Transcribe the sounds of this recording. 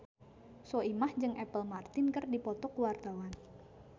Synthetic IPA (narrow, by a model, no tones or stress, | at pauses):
soimahd͡ʒɨŋʔɛpəlmart̪ɪnkərdipɔt̪ɔkuwart̪awan